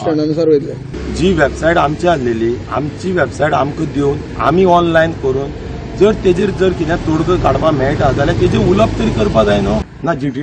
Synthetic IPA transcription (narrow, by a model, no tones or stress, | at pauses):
səɳanusaɾʋet̪la | d͡ʑiːʋebsaiʈamt͡ɕeaslelia̰mt͡ɕiʋebsaiʈamkəd̪eun | a̰miɔnlainkəɾuːn | d͡zəɾt̪ed͡ʑeɾd͡zəɾkit̪jãt̪oɽɡəkaɽpamɛɭʈad͡zaljat̪ed͡ʑeuləb̚t̪əɾikəɾpad͡zajnɔ | nad͡ʑiʈi